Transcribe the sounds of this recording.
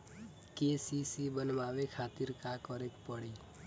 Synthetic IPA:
kesisibənmaːʋekʰaːt̪iɾkakɔɾek̪pəɽi

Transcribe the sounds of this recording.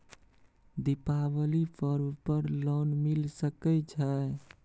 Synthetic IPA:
d̪ipabəlipʰəɾbpəɾlɔnmilsəkɛt͡ʃʰə

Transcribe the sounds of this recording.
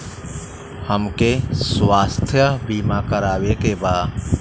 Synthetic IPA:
həmkeswaːst̪ʰjəbiːmakəɾaːwekebaː

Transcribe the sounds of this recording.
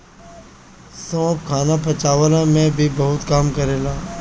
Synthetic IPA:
sõːpkʰaːnapɐt͡ʃaːʋəlamẽbʱibɐɦʊt̪kaːmkɐɾeːlaː

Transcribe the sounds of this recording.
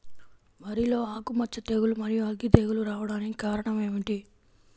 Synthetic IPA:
ʋɐɾilo̞ːaːkumɐt͡ʃːɐt̪e̞ːɡulumɐɾijuɐɡːit̪eːɡuluɾaːʋɐɽaːnikikaːɾɐɳɐme̞ːʋiʈi

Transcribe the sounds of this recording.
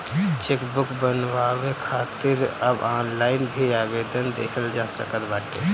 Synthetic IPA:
t͡ʃekbukbənʋaβekʰat̪iɾə̰banlainbʱiabed̪ənd̪ekʰəld͡ʒasə̰kət̪baʈḛ

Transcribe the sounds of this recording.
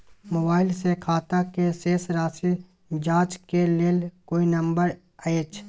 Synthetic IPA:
moːbaːɪlsekʰaːt̪akeseːsɾaːsi | d͡ʒaːt͡ʃkeleːlkoːinə̃mbəɾ | əeːt͡ʃʰ

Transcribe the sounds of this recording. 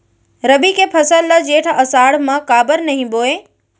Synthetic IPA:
ɾɐbikepʰɐsəlːad͡ʒeːʈʰɐsaːɽmãkaːbəɾnɐɦĩboːe

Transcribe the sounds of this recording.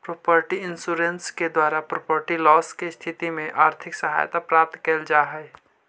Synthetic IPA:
pɾoːpəɾʈiɪnsuɾensked̪waːɾapɾoːpəɾʈilɔːskest̪ʰɪt̪imẽʔaːɾt̪ʰɪksəɦa̰ːjt̪apɾaːp̚t̪keld͡ʒaːɦɛj

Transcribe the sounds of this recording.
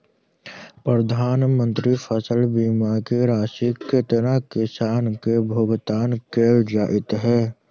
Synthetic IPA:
pɾəd̪ʱaːnmə̃nt̪ɾipʰəsəlbiːmakeɾaːsikːet̪nakɪsaːnkebʱoɡt̪aːnkeːd͡ʒaːʔɪt̪ɦɛː

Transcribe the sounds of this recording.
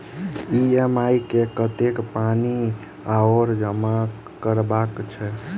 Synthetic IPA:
iemajkekət̪ekpani | aoɾd͡ʒəma | kəɾbakt͡ʃʰɛ

